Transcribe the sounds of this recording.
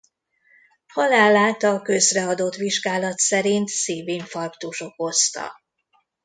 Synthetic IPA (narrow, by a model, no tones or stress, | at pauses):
hɒlaːlːaːt̪ɒkø̞zrɛɒd̪o̞t̪ʋiʒɡaːlɒt̪sɛɾint̪seːveːɲfɒrkt̪uʃo̞ko̞st̪ɒ̰